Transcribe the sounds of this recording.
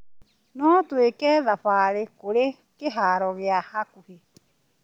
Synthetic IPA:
nõːt̪uikeðaɸaːɾikuɾi | keɦaːɾɔɣeahakuhi

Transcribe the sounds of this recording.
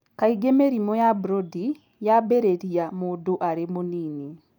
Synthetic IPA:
kaiɡemeɾimɔjabɾodi | jabeɾeɾiamoːdoʔaɾemonini

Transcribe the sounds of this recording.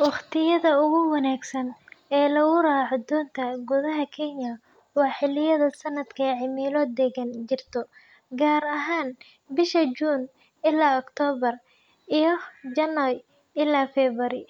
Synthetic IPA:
wɑχt̪ʰɪjɐðɐʊɣʊwɑnaːɡsɐnɛːlɐɣʊɾaːʕɔd̪ɔːnt̪ʰɐɡʊðɐɦɐkʰɛnjɐ | wɑːħɪlɪjɐðɐsɐnːɐd̪kʰɐʕɪmiːlɔːd̪ɛɣɐnt͡ʃɪrt̪ʰɔ | ɡaːɾɐɦaːn | bɪʃɐd͡ʒuːn | ɪlaːɔkt̪ʰɔːβɐr | ʔijɞd͡ʒɐnɐ | ɪlaːfɛːβɐɾɪ

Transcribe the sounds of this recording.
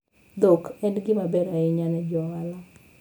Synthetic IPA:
d̪okɛndɡɪmabɛɾaɪɲanɛd͡ʒɔalɔ

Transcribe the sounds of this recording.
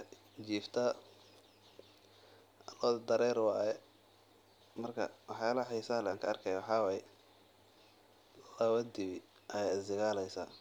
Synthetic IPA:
t͡ʃiːft̪ʰɐ | lɔdd̪ɐɾɛːɾwɑːjɛ | mɐrkʰɐ̰wɑħjaːlɐħijsaːlɛŋkʰɐɐrkʰɛjawɑħɑːwɑːjɛ | lɐβɐd̪ɪβi | ʔɐjɛjɪsɪɣaːlɛjsa̰ː

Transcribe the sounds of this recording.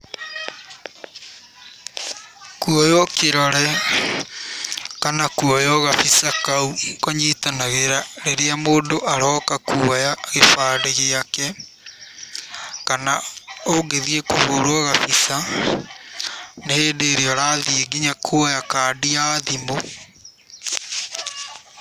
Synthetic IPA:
kuɔjɔkeɾɔɾɛ | kanakuɔjɔɣafisakaukoɲitanaɣeɾaɾeɾeamoːndoʔaɾɔːkakuajaɣefaːɾeɣeakɛ | kanaoɡeðiekohoɾwɔɣafisa | neeːndeːɾeɔɾaðieɡiɲakʰuɔjakaːdiaðimo

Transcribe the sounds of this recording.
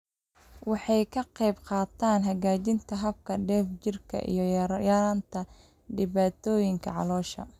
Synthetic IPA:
wɑħɑjkʰɐqɑjbqɑːt̪ʰaːnɦɐɣaːt͡ʃɪnt̪ʰɐɦɐb̚kʰɐɖɛːft͡ʃɪrkʰɐ̰ʔḭjɞjaːɾaːnt̪ʰɐ | ɖɪβaːt̪ʰɔːjɪŋkʰɐʕɑ̰lɔːʃɐ̰

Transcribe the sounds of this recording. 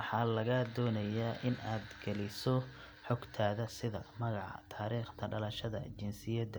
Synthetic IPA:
ħɑːlɐɣɐd̪ɔːnɐjaːʔɪnaːd̪ɡ̥ɐlɪsɔ | ħɔɡt̪ʰaːðɐsɪðɐ̰mɐɣɑʕɑ̰t̪ʰaːɾiːχt̪ʰɐɖɐlɐʃɐðɐ̰t͡ʃɪnsɪjɐd̪ɐ

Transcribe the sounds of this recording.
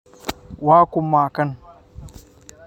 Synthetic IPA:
waːkʷʊmːaːkɐn

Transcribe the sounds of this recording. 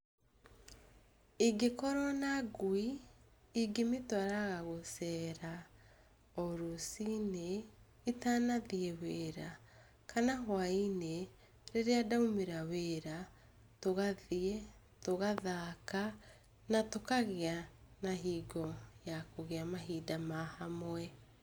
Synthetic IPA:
iɡekɔɾɔnaɡwiiɡemetwaɾaɣaɣosɛːɾa | ɔɾusine | itanaðiɛweɾa | kanaɦwaine | ɾeɾeadaumeɾaweɾa | toɣaðiɛ | toɣaðaka | natokaɣeanaɦiːɡɔjakoɣeamaɦiːdamahamwɛ

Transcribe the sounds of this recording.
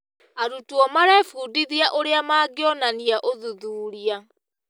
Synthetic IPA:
aɾutuɔmaɾɛfuːdiðiaʔoɾeamaːɡeɔnaniaʔoðuðuːɾia

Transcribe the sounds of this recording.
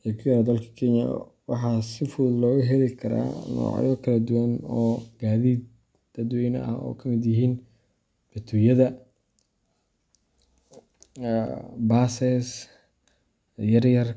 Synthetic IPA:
jɛkʰjɐɾd̪ɐlkʰɐ̥kʰɛɲjɐ̰ | wɑħɑːsɪfuːðlɔːɣʊɦɛlɪkʰɐɾa̰ːnɔ̰ːʕ̰jɔkʰɐlɐd̪ʊwɐnɔːɡ̥aːðiːd̪̚ | d̪̥ɐd̪wɛːjn̰ɐ̰hɔ̰ːkʰɐmɪd̪jɪɦiːn | b̥ɐt̪ʰujɐðɐ | baːsɛs | jɐrjɐr

